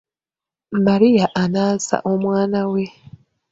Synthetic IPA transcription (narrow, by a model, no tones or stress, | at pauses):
maɾijaʔanaza̰ʔo̞mwaːnawe̞